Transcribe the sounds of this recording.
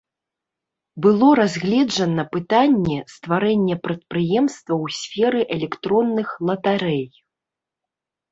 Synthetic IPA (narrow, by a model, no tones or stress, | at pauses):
bɨlˠɔɾazʲɣlʲɛd͡ʐɐnɐpɨt̪anʲːɛst̪vaɾɛnʲːɛpɾɐt̪̚pɾɨjɛmst̪vɐwsʲfʲɛɾɨʔɛlʲɛkt̪ɾɔnːɨxlˠɐt̪aɾɛj